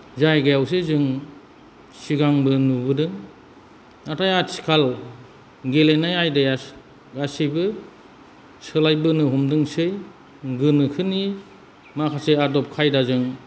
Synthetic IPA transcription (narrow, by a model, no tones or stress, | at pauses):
zajɡajaws̬ezɯŋ | siɡaŋbɯnubɯdɯŋ | atʰajasʰi̥kʰal | ɡelenajajdaj | ɡasijbɯ | sɯlajbɯnɯɦɔmdɯŋsɯj | ɡɯnɯkʰɯni | makʰaseadɔp̚kʰajdazɯŋ